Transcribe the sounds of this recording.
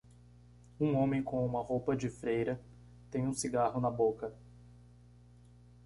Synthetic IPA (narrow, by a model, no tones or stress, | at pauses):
ũõmẽj̃kõũmɐhowpɐd͡ʒɪfɾejɾɐ | t̪ẽj̃ũsiɡahʊnɐbokɐ